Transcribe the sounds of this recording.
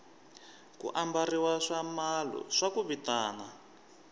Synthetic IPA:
kṵʔambariwaʂamalɔ̰ʂakuβitaːna

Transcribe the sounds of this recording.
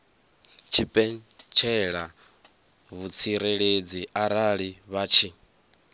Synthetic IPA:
t͡ʃʰipʼɛnt͡ʃʰɛɺa | βut͡sʰiɾeɺed͡ziaɾaɺiβat͡ʃʰi

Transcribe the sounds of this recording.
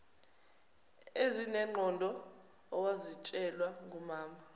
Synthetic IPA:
ezinɛŋ͡ǃʱɔndʱɔː | wazit͡ʃʼɛlwaŋʱumaːma

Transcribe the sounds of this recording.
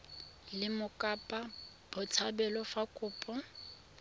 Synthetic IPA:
lɪmʊkʼapʼa | b̥ʊt͡sʰabɛlɔfakʼʊːpʼɔ

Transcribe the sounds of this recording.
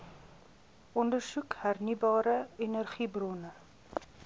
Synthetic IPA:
ʔɔndərsukhærnibɑːɾəenərχibrɔnə

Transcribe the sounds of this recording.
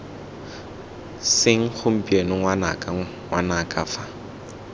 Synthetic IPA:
sɪŋ̩χʊm̩pʼienʊŋwana̰kʼa | ŋwanakʼafa

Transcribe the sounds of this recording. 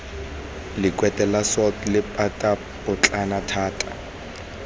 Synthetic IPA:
lɪkʼwɛtʼɛlasɔtlɪpʼatʼa | pʊt͡ɬʼanatʰaːtʼa̰

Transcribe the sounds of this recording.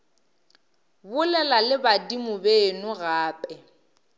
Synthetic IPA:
bʊlɛlalɪbadimʊbeːnʊɣaːpʼɛ

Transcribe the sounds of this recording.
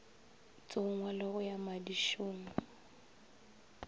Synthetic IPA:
t͡sʼʊŋwalɪɣʊjamadiʃʊːŋʊ

